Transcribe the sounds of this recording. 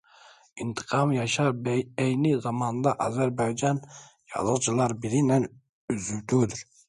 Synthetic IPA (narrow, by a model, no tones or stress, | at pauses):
int̪ʰɨ̥qʰɑmjɑʃɑɾbɛjnɪzɑmɑnd̪ɑʔɑzæɾbɑjd͡ʒɑn | jɑ̰zəqt͡ʃʰilˠɑɾbiɾinɛn | yzywt̪ʰud̪yɾ